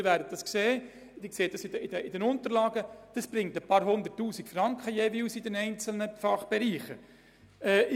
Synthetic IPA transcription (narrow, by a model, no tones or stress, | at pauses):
ɪɾʋæːɾdət̚d̥ɑskseː | d̥̪ɪkseːd̥ɑsɪdəɪdəɪdɛnʊnt̪əɾlɑːɡəd̥ɑsb̥ɾɪŋtəpɑːɾɦʊnd̪ərtːuːsikfrɑŋkχəjeʋiːwsɪdɛnɛɪnt͡sl̩nəfɑχb̥ɛɾiːχə | ɛː